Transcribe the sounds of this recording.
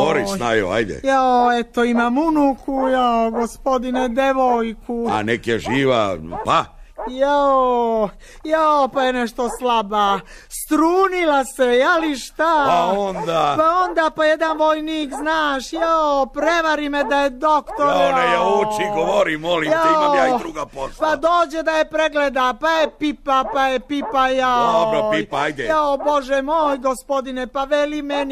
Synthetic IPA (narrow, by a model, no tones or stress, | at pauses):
oɾisnajo̰a̰jd̪ḛjaoet̪oimaːmunukujaoɡospo̞d̪ined̪eʋojkua̰nekeʒiːʋa̰pajao | jaopajeneʃt̪oslaba | st̪ɾuːnilasejaliʃt̪apaond̪apaond̪aːpajed̪anʋojniːkznaːʃjaopɾeʋaɾimed̪ajed̪okt̪oɾjaejaoːt͡ʃiɡoʋoɾimolijaioaid̪ɾuːɡapospad̪oːd͡ʑed̪ajepɾeɡled̪apajepipapajepipajad̪obɾoipaajd̪ɛaobo̞ʒɛmoːjɡospo̞d̪inepaʋelimen